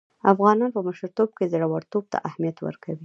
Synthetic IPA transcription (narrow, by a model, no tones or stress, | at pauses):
afɣɑnɑnpəməʃɾt̪ob̚kezɽawaɽt̪ob̚t̪ʰa̰ʔahmijat̪wə̰ɾkʰawi